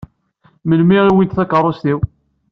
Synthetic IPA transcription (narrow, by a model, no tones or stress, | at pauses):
məlmiʁiwint̪θækərˤːost̪iw